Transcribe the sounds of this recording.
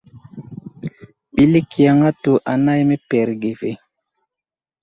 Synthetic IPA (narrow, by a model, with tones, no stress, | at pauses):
ɓi˦li˦ki˨a˨ŋa˦tu˨ʔa˨na˦jme˦pɛ˨ɾɡe˨ve˨